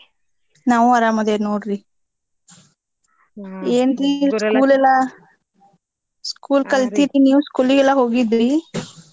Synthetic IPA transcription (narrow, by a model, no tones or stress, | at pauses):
naʋuɐɾamɐd̪enoːɽɾi | eːnd̪ikuːlɛla | skuːlkɐlt̪iɾinjuːskulːiɡɛlːaɦoːɡid̪ɾi